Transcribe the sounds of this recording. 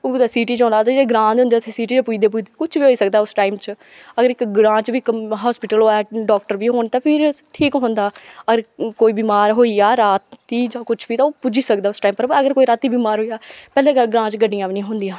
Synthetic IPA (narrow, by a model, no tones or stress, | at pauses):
od̪asiːʈiːt͡ʃɔ̃ːnd̪aːt̪ãd͡ʒeɽeːɡɾãːd̪ɦʊ̃nd̪eːt̪ʰesiːʈiːt͡ʃːpuːid̪eːp̬uid̪eːkʊt͡ʃʰbiːɦoːiːsək̚d̪aːʊsʈaːimt͡ʃə | əɡəɾɪkɡɾãːt͡ʃbiːkɦɔːspɪʈəloːɛːɖɔːk̚ʈəɾbiːɦoːnt̪ãːpʰɪɾʈʰiːkɦʊ̃nd̪aːəɡəɾkoːiːbiːmaːɾɦoːiaːɾaːt̪ːiːd͡ʒãːkʊt͡ʃʰbiːt̪ãːpud͡ʒiːsəkd̪aːʊsʈaːimpəɾəɡəɾkoːiːɾaːt̪iːbiːmaːɾɦoːiaːpɛːleːɡəlɡɾãːt͡ʃɡəɖːijãːʋnĩɦʊ̃nd̪ijãː